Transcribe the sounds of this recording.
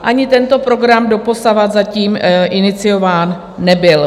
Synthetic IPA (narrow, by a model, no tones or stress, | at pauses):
ʔaɲɪt̪ɛnt̪o̞pɾo̞ɡɾamdo̞po̞savad̪zaciːmʔɪnɪt͡sɪjo̞vaːnː | ɛbɪl